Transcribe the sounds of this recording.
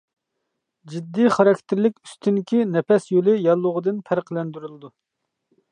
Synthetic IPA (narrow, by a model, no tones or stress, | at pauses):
d͡ʒid̪ːijχɑɾɑkʲt̪ʰɪɾlɪkʲyst̪ʰynkʲinɛpɛsjolɪjɑlˠːʊʁəd̪ɨnpʰæɾqʰlˠɛnd̪yɾylˠɨd̪u